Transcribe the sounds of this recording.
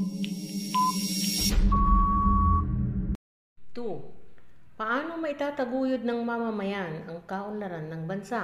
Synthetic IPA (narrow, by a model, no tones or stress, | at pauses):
t̪u | pɐʔaːno̞mɐʔɪt̪aːt̪ɐɡuːjod̪̚nɐŋmɐmɐmɐjanɐŋkaʔʊlɐɾanːɐŋbɐnsa